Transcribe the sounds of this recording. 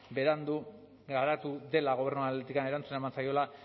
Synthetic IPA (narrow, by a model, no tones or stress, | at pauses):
be̞ɾand̪u | ɡaɾat̪uðe̞laɣo̞β̞e̞ɾnualet̪ikane̞ɾant͡sunaemansajo̞la